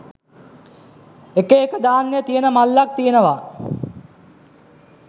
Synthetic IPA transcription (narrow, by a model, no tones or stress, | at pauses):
ekeːkəd̪aːnːejət̪ijənəmalːak̚t̪ijənəʋa